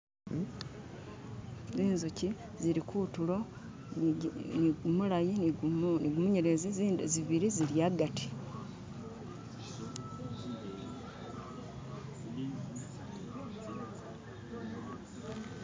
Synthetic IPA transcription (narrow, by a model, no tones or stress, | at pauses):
ziːnzuci | ziɾikʰutulo | nɡumulajininiɡumuɲeɾezizziβiɾiziɾijaːɡatʰi̥